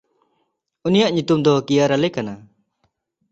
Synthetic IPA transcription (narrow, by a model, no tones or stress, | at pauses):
unijaʔɲut̪umd̪ɔkijaɾalɛkana